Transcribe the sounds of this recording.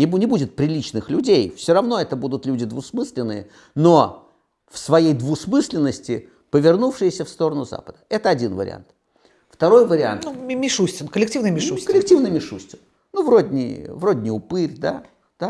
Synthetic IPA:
nʲɪbnʲɪbudʲɪt̪̚pɾʲɪlʲit͡ɕnɨxlʲʉdʲejfsʲoɾɐvno̞ɛt̪əbud̪ʊt̪lʲʉdʲɪd̪vʊsmɨsʲlʲɪnːɨjə̰ | no | fsvɐjejd̪vʊsmɨsʲlʲɪnːəsʲtʲɪ | pəvʲɪrnufʂɨjɪsʲəfst̪o̞ɾənʊza̰pəd̪̥əɛt̪əɐdʲinvə̰ɾʲɪ̰a̰nt̪ | ft̪ɐɾo̞jvəɾʲɪa̰nt̪numʲɪʂusʲtʲɪnkəlʲɪk̚tʲivnɨjmʲɪʂukəlʲɪk̚tʲivnɨjmʲɪʂusʲtʲɪn | nuvrodʲnʲɪ̰vrodʲnʲɪjʊpɨrʲd̪a̰ | d̪̥a

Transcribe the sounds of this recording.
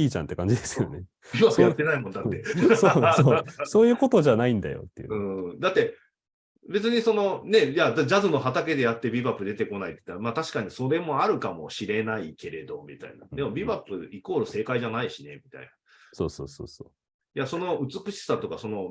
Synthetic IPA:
iːt͡ɕã̰nt̪ːe̞kãɲd͡ʑid̪esɨjone | bʲibapːɯjat̪ːe̞naimõ̞nd̪aːe̞soosoːjɯ̟ːko̞t̪o̞ʑanaĩnd̪a̰jo̰t̪ːejɯ̟ɯ̟̃ːd̪at̪ːe̞ | be̞t͡sɨɲ̟iso̞no̞ne̞jad̪ad͡ʑazɨno̞ɦat̪ake̞d̪e̞jat̪ːe̞bʲiβapːɯd̪e̞t̪e̞ko̞nait̪ːe̥t̪ːaɾmaːt̪aɕi̥kaɲ̟iso̞ɾe̞mo̞aɾɯ̟kamo̞̰ɕiɾe̞naike̞ɾe̞d̪o̞mʲit̪a̰ina̰d̪e̞mo̞bʲibapːɯ̟iko̞ːɾɯse̞ːkaiʑanaiɕine̞̰mʲit̪a̰ina | soːso̰ːso̰ːso̰ː | jaso̞no̞ʔɯ̟t͡sɨkɯ̟ɕi̥sat̪o̞kaso̞no̞

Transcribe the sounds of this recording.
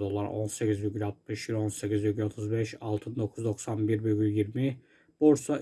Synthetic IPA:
d̪o̞lˠaɾo̞̰nsecizyɟʲylʲat̪̚mɯʃiɾo̞nse̞cʲizyɟʲlʲo̞t̪ʰuzbɛʃalˠt̪ʰɯnd̪o̞kʰuzd̪o̞ksanbiɾbyɡʲylʲjiɾmi | b̥o̞ɾsa

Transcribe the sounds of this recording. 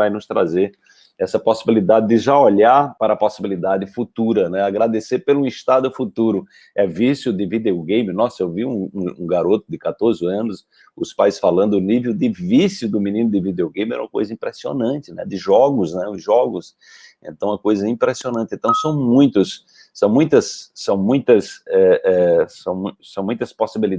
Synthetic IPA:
vajnʊst̪ɾa̰zeɾ | ɛsɐposibilid̪ad̪ɪd̪ɪʒaoʎaɾpaɾɐːposibilid̪ad̪ɪfut̪uɾɐnɛaɡɾad̪eseɾpelũɪʃt̪ad̪ʊfut̪uɾʊ | ɛvisjʊd̪ɪvid̪eoɡẽj̃mɪnɔsewviũũũɡaɾot̪ʊd̪ɪkat̪oɾzɪɐ̃nʊs | ʊspajsfalɐ̃nd̪ʊʊnivewd̪ɪvisjʊd̪ʊmĩnĩnʊd̪ɪvid̪eoɡẽj̃miɛ̰ũmɐko̰jzɐĩmpɾɛsio̰nɐ̃t͡ʃ̪ɪnɛ̰d̪ɪʒɔɡʊsnɛʊzʒɔɡʊs | ḛ̃nt̪ɐ̃w̃ɛkojzɐĩpɾɛsionɐ̃nt̪ɪẽt̪ɐ̃w̃sɐ̃w̃mũj̃t̪ʊs | sɐ̃w̃mũj̃t̪ɐsːɐ̃w̃mũj̃t̪ɐsɛʔɛsɐ̃w̃m̃sɐ̃w̃mũj̃t̪ɐsposibili

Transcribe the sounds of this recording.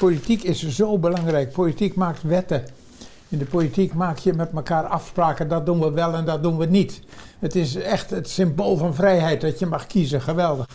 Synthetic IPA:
politikɪsz̥oːbəlaŋrɛjk̚politikmaːk̚tʋɛtə | ɪndəpolitikmaːkjəmɛtməkaːrafspraːkədɔt̚dunʋəʋɛlˠɛndɔt̚dunʋənit | ətɪsɛxtətsɪmboːlˠfɔnfrɛjɦɛjt̚dɔtjəmɑxkʰizəxəʋɛlˠdəx

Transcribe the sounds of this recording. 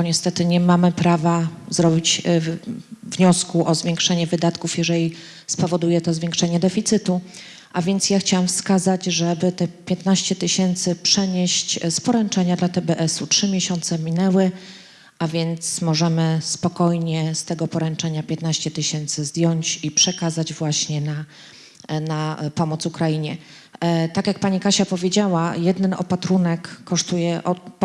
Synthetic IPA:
ɔɲɛst̪ɛt̪ɘɲɛmamɘpɾavazɾɔbʲit͡ɕ | vɲɔskuʔɔzvʲjɛŋkʂɛɲɛvɘd̪at̪kufjɛʐɛlʲi | spɔvɔd̪ujɛt̪ɔzvʲjɛ̃ŋkʂɛɲɛd̪ɛfʲit̪sɘt̪u | ʔavʲjɛnt̪sjaxt͡ɕawamfskazad͡ʑʐɛbɘt̪ɛpʲjɛt̪naɕt͡ɕɛt̪ɘɕɛnt̪sɘpʂɛɲeɕt͡ɕspɔɾɛnt͡ʂɛɲad̪lat̪ɛbɛʔɛsutʂɘmʲjɛɕɔnt̪sɛmʲinɛwɘ | avʲjɛnt̪smɔʐɛmɘspɔkɔjɲɛst̪ɛɡɔpɔɾɛnt͡ʂɛɲapʲjɛt̪naɕt͡ɕɛt̪ɘɕɛnt̪sɘzd̪ʲjɔɲt͡ɕipʂɛkazad͡ʑvwaɕɲɛna | napɔmɔt̪sukɾaiɲɛ | t̪akʲjak̚paɲikaɕapɔvʲjed͡ʑawajɛd̪nɛnɔ̰pat̪ɾunɛkːɔʂt̪ujɛʔɔ

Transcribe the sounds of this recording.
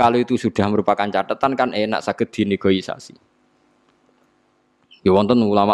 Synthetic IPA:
kaloit̪usuɖ̪̥a̤hməɾupakant͡ʃat̪ət̪ankanʔena̰ʔsaɡ̥ə̤d̪̥i̤neɡ̥ɔ̤isa̰si̥ | jɔwɔnt̪ənulama

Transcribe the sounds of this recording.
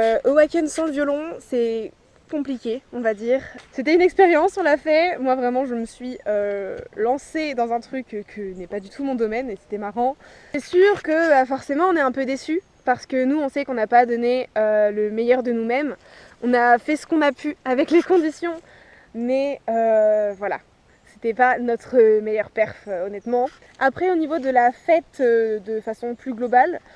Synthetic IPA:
øʔowakʲɛnsɑ̃ləvjɔlɔ̃sɛ | kɔ̃plikʲeɔ̃vad̪iːʁset̪ɛynɛkspeʁjɑ̃sɔ̃lafɛmwavʁɛmɑ̃ʒəməsɥiølɑ̃sed̪ɑ̃zɛ̃t̪χykkʰːənɛpad̪yt̪ʰumɔ̃d̪ɔmɛnese̥t̪ɛmaʁɑ̃ɛsyʁkəbafɔʁsemɑ̃ɔ̃nɛɛ̃pød̪esy | paʁsə̥kənuɔ̃sɛkɔ̃napad̪ɔneøləmejœʁd̪ənumɛm | ɔ̃nafɛsə̥kɔ̃napʰyavɛklekɔ̃d̪isjɔ̃ | mɛøvwala̰ | set̪ɛpanɔt̪χəmejœʁpɛʁfɔnɛt̪mɑ̃ | apχɛonivod̪əlafɛt̪ød̪əfasɔ̃plyɡlɔbal

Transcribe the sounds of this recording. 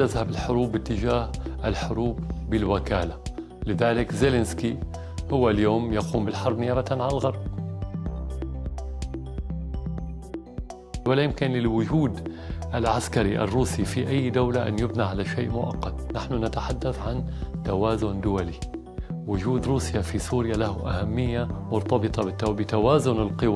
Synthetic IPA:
azhabɪlħʊɾuːbːɪt̪ːɪd͡ʒaːhʔɪlħʊɾuːbːɪlwɪkaːla | lɪðaːlɪkzelɪnski | hʊwːaljoːmjaquːmbɪlħɑɾˤbnɪjaːbat̪nʕalalɣɑɾˤb̚ | wɪlajɪmkɪnlɪlwʊd͡ʒuːd̪ʔalʕaskaɾiʔa̰rːuːsifiʔajːd̪awlaʔa̰nːjɪbniʕalaʃeːʔmʊʔa̰qːɑt̪̚naħnʊnat̪aħad̪ːaθʕant̪awaːzʊnd̪ʊwali | wʊd͡ʒuːd̪ɾuːsjafisuːɾjalahʔa̰hamːɪjːamʊɾt̪ɑbɨt̪ˤɑbɪt̪ːabɪt̪awaːzʊnɪlqɨwa

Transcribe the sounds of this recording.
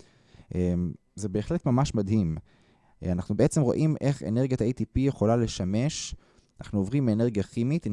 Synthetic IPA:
ʔem | ze̞be̞ːχle̞t̪mamaʃmad̪ɦim | anaχnubeet͡se̞mʁo̞̰ʔimʔe̞χḛne̞ʁɡjataet̪ipijeχolale̞ʃame̞ʃ | ana̰χnuovʁimbeːne̞ʁɡiaχimit̪

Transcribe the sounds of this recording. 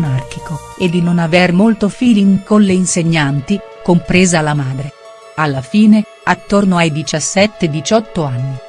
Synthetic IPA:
nark̟ikoed̪ːinonavermolt̪ofiːliŋkonleinseɲːant̪i | kompɾeːzalːamaːd̪ɾe | alːafiːne | at̪ːornoajd̪it͡ʃasːɛt̪ːed̪it͡ʃɔt̪ːoanːi

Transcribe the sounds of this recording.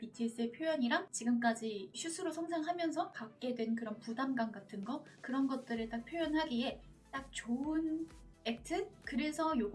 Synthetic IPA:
pitʰɯis͈ɯepʰjojʌɲiɾaŋt͡ɕiɡɯmk̬͈ad͡ʑiɕʰusʰuɾosʰʌŋsʰaŋɦamjʌnsʰʌpak̚k͈e̞dwe̞nk̬ɯɾʌnpudamɡanɡatʰɯnɡʌkɯɾʌnɡʌt̚t͈ɯɾɯɭt͈ak̚pʰjojʌnɦaɡie̞t͈ak̚t͡ɕoɯne̞k̚tʰɯkɯɾe̞sʰʌjo

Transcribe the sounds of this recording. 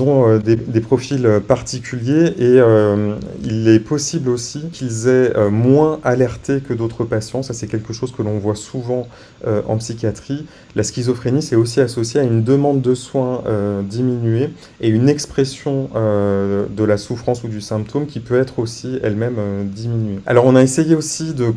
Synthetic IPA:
ɔ̃ød̪ed̪epχɔfiløpaʁt̪ikʲyljeʔeø | ḭlɛpɔsiblosikʲʰilzɛømwɛ̃ʔalɛʁt̪ekəd̪ot̪χəpasjɑ̃sasɛkʲɛlkəʃozkəlɔ̃vwasuvɑ̃ | øʔɑ̰̃psikʲjat̪χi | laskʲizɔfχenisɛos̬iasɔsjeaynd̪əmɑ̃d̪ːəswɛ̃ød̪iminɥe | eynɛkspχesjɔ̃ød̪əlasufχɑ̃sud̪ysɛ̃p̚t̪omkʲipøɛt̪χosiɛlmɛmød̪iminɥea̰lɔʁɔ̃naesejeosid̪ə

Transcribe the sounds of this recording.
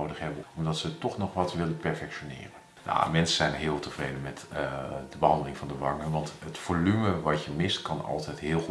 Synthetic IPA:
owdəχɦɛbəɔmdɔtsətɔχnɔχʋɑtʋɪləpɛɹfɛkʃonɪ̰ːrən | ja̰mɛnsəz̥ɛjnɦɪːlˠtəvrejdənmɛtdəbəɦɑndəlɪŋvɑndəʋɑŋəʋɑntɦətfolyməʋɑtjəmɪstkɑnɑ̰lˠtʰɛtɦɪːlˠ

